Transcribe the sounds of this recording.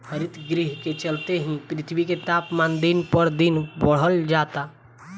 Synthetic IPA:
hʰəɾɪt̪ɡɾɪɦket͡ʃəlt̪eɦĩpɾɪt̪ʰwiket̪aːpmãːnd̪inpəɾd̪ɪnbəɽ̤əld͡ʒaːt̪a

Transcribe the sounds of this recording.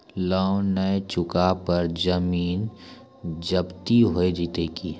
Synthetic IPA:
laːʊnəet͡ʃʊkapəɾd͡ʒəmiːn | d͡ʒəbt̪iɦoed͡ʒit̪ekiː

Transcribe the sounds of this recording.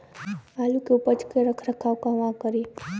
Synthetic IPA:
alukeupət͡ʃkeɾəkʰɾəkʰawkãʋãkəɾi

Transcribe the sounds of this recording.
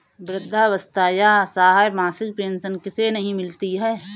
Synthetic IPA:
bɾɪd̪ʱːaʋəst̪aːjasaːɦaemaːsɪk̚pẽːnʃənkɪsenɐɦĩmɪlt̪iɦɛː

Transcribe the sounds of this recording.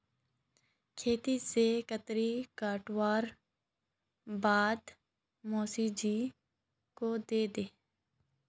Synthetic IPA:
kʰeːt̪isekət̪ɾikaːʈwaːɾ | baːd̪ | mɔːsid͡ʒiː | kod̪eːd̪eː

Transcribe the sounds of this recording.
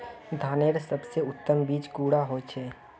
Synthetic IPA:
d̪ʱaːneːɾsəbseʊt̪ːəmbiːt͡ʃkuːɽaɦot͡ʃʰɛː

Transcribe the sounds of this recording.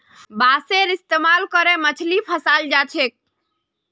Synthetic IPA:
baseɾist̪emalkəɾemət͡ʃʰlipʰəsald͡ʒat͡ʃʰek̚

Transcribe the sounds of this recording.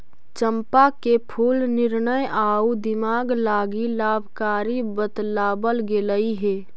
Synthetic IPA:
t͡ʃəmpakepʰuːlnɪɾnəjaːud̪ɪmaːɡlaːɡilaːbʱkaːɾibət̪laːbəlɡeləiɦeː

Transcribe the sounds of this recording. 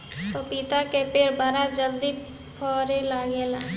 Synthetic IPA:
t̪opit̪akepeɾbəɾad͡ʒəld̪i | pʰɔːɾelaːɡela

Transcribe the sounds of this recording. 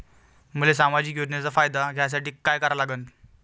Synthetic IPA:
m̤əles̬amad͡ʑiːk̬jod͡ʑnjat͡safajd̪aɡʱjas̬aʈiːkajkəɾalaɡən

